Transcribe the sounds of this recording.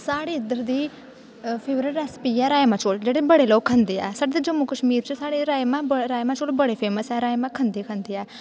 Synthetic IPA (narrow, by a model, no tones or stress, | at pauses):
saːɽeɪd̪əɾd̪iː | pʰeːʋɾəɾɾɛːspiːɛːɾaːemãːt͡ʃoːld͡ʒeːɽebəɽeloːkʰːə̃nd̪eːɛ̰ːsaːɖed̪ed͡ʒəmːukəʃmiːɾt͡ʃəsaːɽeɾaːemãːbɾaːjmãt͡ʃoːlbəɽeːpʰeːməsɛːɾaːjmãːkʰə̃nd̪ekʰə̃nd̪eːɛː